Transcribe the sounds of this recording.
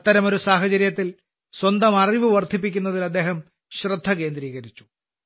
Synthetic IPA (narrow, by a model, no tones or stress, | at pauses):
ɐt̪ːɐɾɐmo̞ɾusaːɦɐt͡ɕɐɾjɐt̪ːil | swɐnd̪ɐmɐriʋɨʋɐrd̪ʱip̬ːikʲːunːɐðilɐd̪ːe̞ːɦɐm | ɕrɨd̪ʱːɐke̞ːnd̪ɾiːɣɐɾit͡ɕːu̥